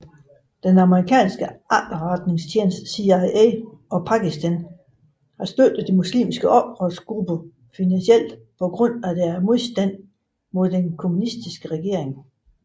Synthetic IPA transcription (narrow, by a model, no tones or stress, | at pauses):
d̥enɑ̈məʁikʰɛ̰ːnsɡ̥əʔɑd̥ɐʁɑd̥ne̝ŋst͡ɕʰjeːnsd̥siɑɪeɒ̽pʰɑ̈kisd̥æn | hɑ̈sd̥ød̥ð̩ˠd̥imuslḭːmisɡ̥əʔɒ̽b̥ʁɔðˠsɡ̥ʁub̥ə | finænsiel̰d̥ | pʰɒ̽ɡ̥ʁɔ̽n̰æd̥æɐmo̝ð̞ˠsd̥æn̰ | mo̝ð̞̰ˠd̥enkʰo̝munisd̥isɡ̥əʁɛɡ̥e̝̰ɐ̰eŋ